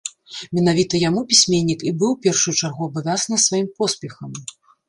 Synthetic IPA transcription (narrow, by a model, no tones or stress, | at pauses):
mʲɛn̪avʲit̪ɐjamupʲisʲmʲenʲːikibɨwpʲɛrʂujut͡ʂarɣuɐvɨd̪asnɐsvajimpɔspʲɛxɐm